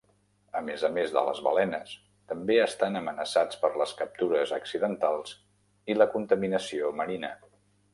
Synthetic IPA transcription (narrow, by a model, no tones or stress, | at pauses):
əmezəmezðə̰lə̰zβə̰lɛnəs | t̪əmbeəst̪anəmənəsat͡spəɾləskəp̚t̪uɾəzəksiðənt̪alˠz | iləkunt̪əminəsioməɾinə̰